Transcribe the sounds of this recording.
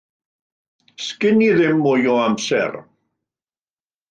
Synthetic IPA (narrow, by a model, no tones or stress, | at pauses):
skɪniðɪmːʊjɔamsɛ̰r